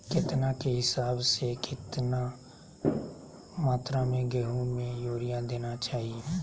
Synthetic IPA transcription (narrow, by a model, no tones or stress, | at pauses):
kɪt̪nakeɦɪsaːbsekʰɪt̪na | maːt̪ɾamẽɡɛɦũmẽjoːɾijad̪eːnat͡ʃaːɦie